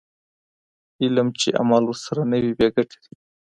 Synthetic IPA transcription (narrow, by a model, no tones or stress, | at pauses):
iləmt͡ʃeʔa̰malʊɾsaɾanəwibeɡaʈi̥d̪i